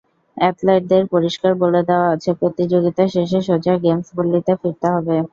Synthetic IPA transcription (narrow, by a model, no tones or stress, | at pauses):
ɛʈlajʈ̚d̪eɾpoɾiʃkaɾboled̪eoaat͡ɕʰepɾot̪id͡ʑoɡit̪aʃeʃ̬eʃod͡ʑaɡemsbolːit̪afiɾt̪eɦɔbe